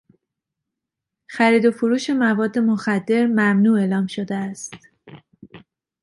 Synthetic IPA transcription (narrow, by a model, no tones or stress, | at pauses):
xæɾiːd̪o̞foɾuːʃe̞mævɒːd̪ːe̞moxæd̪ːe̞ɾmæmnuːe̞ːlɒːmʃo̞d̪eæst̪